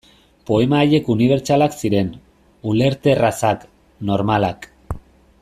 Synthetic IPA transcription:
po̞e̞maːʎe̞kuniβ̞e̞ɾt͡ʃalaksiɾe̞n | ule̞ɾt̪e̞rasak | no̞ɾmalak

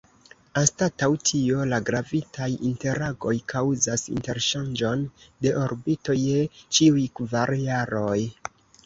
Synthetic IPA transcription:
astatawtʰio̞laɡɾavitajinte̞ɾaɡo̞jkʰawzasḭnte̞ɾʃand͡ʒo̞nde̞ʔoɾbito̞jet͡ʃiujkvaɾjaɾo̞j

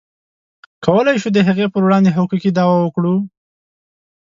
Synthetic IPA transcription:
kawəlajʃud̪əɦaɣepəɾwɽɑnd̪eɦakukid̪ɑwawəkɽu

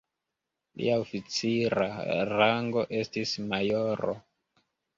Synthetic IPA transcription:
lḭaofit͡siɾaɾaŋɡo̞ʔe̞stismajoɾo̰

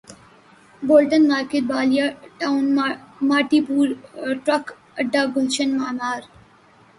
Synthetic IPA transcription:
boːlʈənmaːɾkeʈ̚baːlijaːʈaʊnmaːʈiːpuːɾʈɾɐk | ɐɖːaːɡʱʊlt͡ʃənmaːmaːɾ

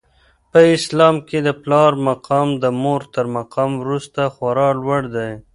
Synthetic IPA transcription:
pəɪslɑmked̪əplɑɾmaqɑmd̪əmoɾt̪əɾmaqɑmwɾust̪axwaɾɑlwaɽd̪aj

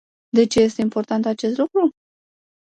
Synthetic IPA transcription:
d̪e̞t͡ʃe̞je̞st̪e̞impo̞rt̪ant̪at͡ʃe̞st̪lukɾu

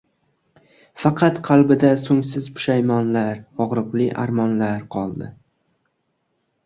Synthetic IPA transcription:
fɑqʰɑt̪qʰɑlˠbɪd̪asʊŋsɪzpʊ̥ʃajmɒnlaɾɒʁɾɨqlɪʔa̰ɾmɒnlaɾqʰɒlˠd̪ɪ̰

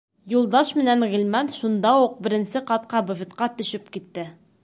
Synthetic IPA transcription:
julˠd̪ɑʃmɘ̆nænʁilmænʃund̪ɑuq̚bɘ̆ɾɘ̆nsɘqɑt̪̚qɑbɵ̆vɘ̆t̪qɑt̪ɵ̆ʃɵpkit̪ːɘ

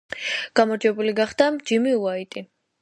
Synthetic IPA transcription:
ɡ̥amɔɾd͡ʒɛbuliɡaχd̪̥amd͡ʒimiuait̪ʼi

